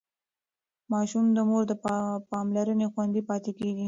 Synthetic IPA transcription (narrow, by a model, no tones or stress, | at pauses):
mɑʃumd̪əmoɾd̪əpɑmlaɾənexwand̪ipɑt̪ekeɡi